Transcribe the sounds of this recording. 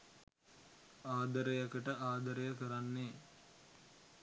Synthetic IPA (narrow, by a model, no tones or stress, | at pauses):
aːd̪əɾəjɐkəʈəʔaːd̪ɐɾəjəkəɾanːeː